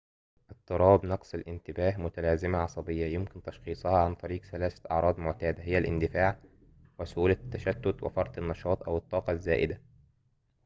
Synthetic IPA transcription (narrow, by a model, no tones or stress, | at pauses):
ʔɪt̪ˤːɨɾˤɑːbnɑqsˤɪlʔɪnt̪ɪbæːhmʊt̪ælæːzɪmaʕɑsˤɑbɪjːæjɪmkɪnt̪ɑʃxiːsˤhɑːʕant̪ˤɑɾiːqθælæːsæ̥ʔɑ̰ʕɾˤɑːd̪ˤmʊʕt̪æːd̪æɦɪjːælʔɪ̰nd̪ɪfaːʕ | wɪsʔuːlæt̪ːæʃæt̪ːʊt̪wɪ̰fɑɾˤt̪ˤɪnːɑʃɑːt̪ˤʔæwɨt̪ˤːɑːqɑzːæːʔɪd̪æ